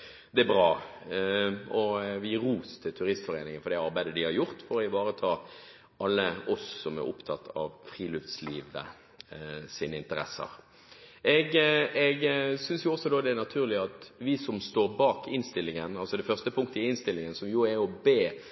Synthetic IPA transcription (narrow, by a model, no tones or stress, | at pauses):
d̪ɛæbɾɑː | ɔʋɪɪɾuːst̪ʰɪlt̪ʰʉɾɪst̪fɔɾeːnɪŋənfɔɾd̪ɛɑɾbæɪd̪əd̪ɪhɑɾjʊʁt̪fɔɾɔɪʋɑːɾət̪ʰɑː | ʔɑlːəɔsːɔmæ̰ɾʔʊ̰pt̪ʰɑt̪ʰːɑ̰ʋfɾiːlʉft̪sliːʋə̰ | siːnəɪnt̪əɾɛ̰sːə̰ʁ | ʔɛɡɛɡsʏnsjʊɔsɔd̪oːd̪ɛæʁnɑt̪ʰʉːʁlɪɑt̪ʋɪsɔmst̪oːɾbɑːkɪnst̪ɪlːɪŋənɑlsɔd̪ɛfœʁst̪əpʰʊŋkt̪əɪɪnst̪ɪlːɪŋənsɔmjʊæɔbeː